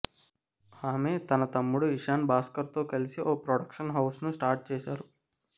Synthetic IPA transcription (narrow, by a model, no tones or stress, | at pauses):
haːmeːt̪ɐnɐt̪ɐmːuɽuiʂaːnbaːskɐɾt̪oːkɐlisiʔoːpɾoɽɐkʂɐnɦɐwsnusʈaːɾʈ̚t͡ʃeːʃaːɾu